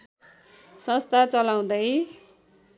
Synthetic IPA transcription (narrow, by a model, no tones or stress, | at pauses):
sʌ̃st̪ʰat͡sʌlaw̃d̪ʌj